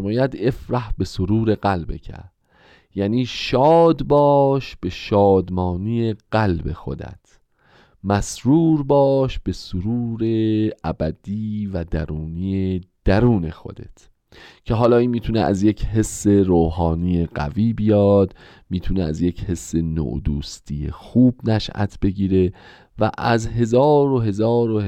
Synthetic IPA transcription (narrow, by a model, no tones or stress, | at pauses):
mɔːjæd̪e̞fɾæhbe̞soɾuːɾe̞ɡælbḛcʰæ̰ɾd | jæːniːʃɒːd̪bɒːʃb̥e̞ʃɒːd̪mɒːnijeɢ̥ælbe̞̰xo̞̰d̪æ̰t̪ʰ | mæsɾuːɾbɒːʃb̥e̞soɾuːɾeæbæd̪̥iːvæd̪æɾuːnijed̪̥æɾuːne̞xo̞̰d̪e̞̰t̪ʰ | cʰe̞ɦɒːlɒːiːnmiːt̪ʰunḛʔæ̰zje̞cʰhe̞sːe̞ɾoːhɒːnijeɢæ̰viːbijɒːd̪ | miːt̪ʰuneæzje̞che̞sːe̞no̰ʔd̪uːst̪ʰije̞̰xuːbnæʃʔæ̰t̪ʰb̥e̞ɟiːɾe̞ | væ̰ʔæzɦe̞zɒːɾoɦe̞zɒːɾoh